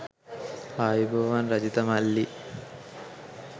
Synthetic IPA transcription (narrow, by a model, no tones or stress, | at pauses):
aːjubʱɐʋaːnɾɐd͡ʒit̪ɐmɐlːi